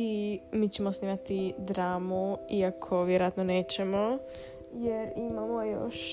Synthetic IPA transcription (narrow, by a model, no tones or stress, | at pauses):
imiːt͡ɕe̞mosniːmat̪id̪ɾaːmuiakʰo̞ʋjeɾojat̪none̞ːt͡ɕemo̞ | jeɾimamojo̰ʃ